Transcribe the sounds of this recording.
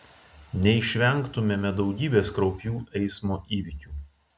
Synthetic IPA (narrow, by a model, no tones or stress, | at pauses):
nʲɛɪʃʲʋʲɛŋˑkt̪ʊmʲemʲɛd̪ɒʊɡʲiːbʲeːskɾɔʊpʲjuːʔɛɪsmoːʔiːʋʲɪkʲuː